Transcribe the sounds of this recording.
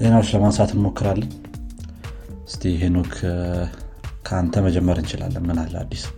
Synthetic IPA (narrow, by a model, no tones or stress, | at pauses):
ze̞nawot͡ʃːləmansat̪ʰɨnmo̞kʰːɨɾalːəɲ | ɨst̪ʰijɦenokʰ | kʰəant̪ʰəməd͡ʒɛmːəɾɨnt͡ʃɪla̰lːənmɨnalːa̰d̪ːis